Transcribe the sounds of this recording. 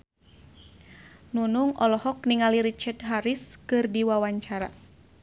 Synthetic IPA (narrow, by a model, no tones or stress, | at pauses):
nunuŋɔlɔhɔk̚niŋaliɾit͡ʃɛtɦaɾiskɨrdiwawaɲt͡ʃaɾa